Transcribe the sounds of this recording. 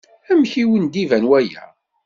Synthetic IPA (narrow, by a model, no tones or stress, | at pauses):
æmçiwənd̪ivænwæjæ̰